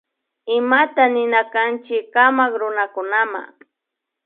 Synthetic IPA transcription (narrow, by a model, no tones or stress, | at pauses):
ɪmat̪anɪnakant͡ʃɪkamakɾʊnakʊnama̰